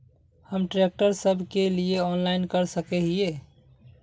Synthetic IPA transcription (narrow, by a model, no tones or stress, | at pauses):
həmʈɾek̚ʈəɾsəbʱkelieɔnlaɪnkəɾsəkɛɦie